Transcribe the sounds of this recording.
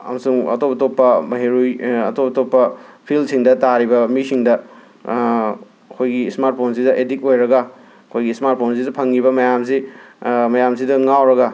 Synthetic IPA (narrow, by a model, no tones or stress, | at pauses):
ɐ̰mɐsuŋɐ̰topɐtopːɐmɐɦeɾujɐ̰topɐtopːɐpʰilsiŋdɐtaɾibɐmisiŋdɐ | ɐkʰojɡiːsmaɾt̚pʰons̬idɐʔedik̚ojɾɐɡɐ | ɐkʰojɡiːsmaɾt̚pʰons̬idɐpʰɐŋɡibɐmɐjams̬i | mɐjamsidɐŋawɾɐɡɐ